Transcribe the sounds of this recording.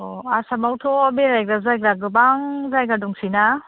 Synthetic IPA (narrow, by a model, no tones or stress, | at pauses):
oasamawtʰɔbeɾajɡɾazajɡɾaɡɯbaŋzajɡaduŋsina